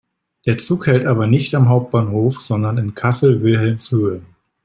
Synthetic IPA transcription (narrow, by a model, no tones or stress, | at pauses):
d̥eːɐt͡suːkhɛltʔaːbɐnɪçtamɦaʊp̚t̚b̥aːnhoːfz̥ɔndɐnɪnkʰasl̩vɪlɦɛlmshøːə